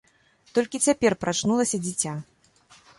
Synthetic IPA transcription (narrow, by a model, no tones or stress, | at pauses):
t̪ɔlʲkʲit͡sʲapʲɛrpɾʔat͡ʂnulˠɐsʲɐd͡zʲit͡sʲa